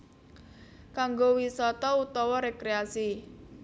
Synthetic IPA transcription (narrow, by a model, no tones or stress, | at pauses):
kaŋɡowisɔt̪ɔut̪ɔwɔɾekɾeasi